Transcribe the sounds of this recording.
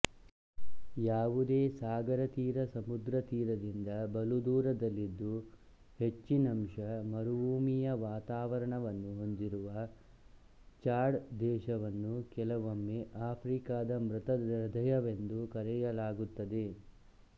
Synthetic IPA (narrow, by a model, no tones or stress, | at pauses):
jaːʋud̪eːsaːɡɐɾɐt̪iːɾɐsɐmud̪ɾɐt̪iːɾɐd̪ind̪ɐbɐlud̪uːɾɐd̪ɐlːid̪ːu | he̞t͡ʃːinɐmʂɐmɐɾuʋuːmijɐʋaːt̪aːʋɐɾɐɳɐʋɐnːuɦo̞nd̪iɾuʋɐ | t͡ʃaːɖd̪ɛːʃɐʋɐnːukɛlɐʋomːeʔaːpʰɾiːkaːd̪ɐmɾɐt̪ɐɾɐd̪ʱɐjɐʋe̞nd̪ukɐɾɛjɐlaːɡut̪ːɐd̪e̞